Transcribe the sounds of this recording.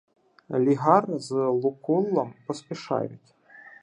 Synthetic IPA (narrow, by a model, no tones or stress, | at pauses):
lʲiɣarzlˠukulˠːɐmpɔspʲɛʂa̰jʊ̰tʲ